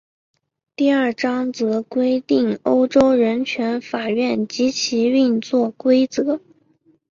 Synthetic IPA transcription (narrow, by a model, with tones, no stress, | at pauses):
t̪i˥˧ə˞˥˩ʈ͡ʂɑ˥ŋt͡sɤ˧˥kwe˥ɪt̪i˥˩ŋo˥ʊʈ͡ʂo˥ʊɻə˧˥nt͡ɕʰɥɛ˧˥nfa˨˩ɥɛ˥˩nt͡ɕi˧˥t͡ɕʰi˧˥y˥˧nt͡swɔ˥˩kwe˥ɪt͡sɤ˧˥